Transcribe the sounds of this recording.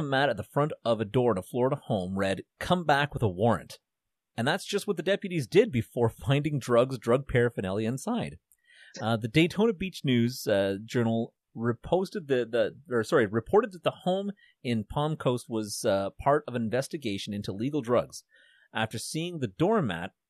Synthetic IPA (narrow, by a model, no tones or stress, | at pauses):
mæɾɨt̪̚ðəfɹʌ̃ntʌvɨdɔɹðəflɔɹɾəhõʊ̃mɹɛd̚kʰʌ̃mbækwəðəwɔɹɨ̰̃nt | ɨ̃nðætsd̥ʒ̥ʌst̚wʌt̪̚ðɨdɛpjɨɾizdɪd̚bɨfɔɹfãɪ̃ndɪ̃ŋdɹʌɡzdɹʌɡ̚pʰɛɹfɨnɛlˠiɨɨ̃nsaɪd̥̚ | ðɨdeɪtʰõʊ̃nɨbit͡ʃnʉzd͡ʒɜ˞nl̩ˠ | ɹɨpʰoʊstɨd̪̚ðɨðɨə˞sɑɹiɹɨpʰɔɹɾɨd̪̚ðɨt̪̚ðəhõʊ̃m | ɪ̃npʰɑ̃mkʰoʊst̚wʌz̥pʰɑɹɾʌvɨ̃ɱvɛstɨɡeɪʃɨ̃nɪ̃ntuliɡl̩ˠdɹʌɡz̥ | ʔæftə˞siɪ̃ŋðɨdɔɹmæ̰t̚